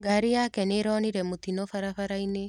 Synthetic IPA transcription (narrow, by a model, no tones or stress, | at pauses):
ɡaɾijakɛneːɾɔːniɾɛmot̪inɔfaɾafaɾaine